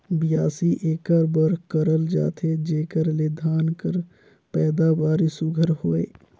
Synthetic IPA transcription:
bɪjaːsiʔeːkəɾbəɾkəɾəld͡ʒa̰ːt̪ʰed͡ʒeːkəɾled̪ʱaːnkəɾ | pɛːd̪abaːɾisʊɡʱəɾhoːḛː

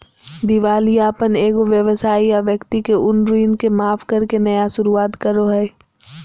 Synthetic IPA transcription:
d̪ɪʋaːlijaːpəneːɡoʋjəʋsaːijaʋjəkt̪ikeʔʊnɾiːnkemaːfkɐɾkenɐjaʃʊɾuaːt̪kɐɾoɦɛː

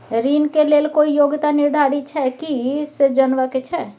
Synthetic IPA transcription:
ɾiːnkeleːlkoːijoːɡt̪anɪɾd̪ʱaːɾit͡ʃʰɛkised͡ʒɐnʋaket͡ʃʰɛː

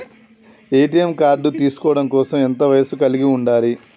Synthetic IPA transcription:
e̞ːʈijɐmkaːɾɖut̪iːsu̥kɔːɐɽɐmkɔːsɐment̪ɐʋɐjɐsukɐliɡiuɳɖaːɾi

